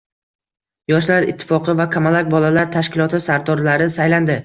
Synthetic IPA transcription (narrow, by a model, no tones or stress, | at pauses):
jɒʃlaɾɪt̪ʰːɪ̥fɒqʰɨvakʲʰamalak̚ʲbɒlalaɾt̪ʰaʃkʲɪlˠɒt̪ɪsaɾd̪ɒɾlaɾɪsajland̪ɪ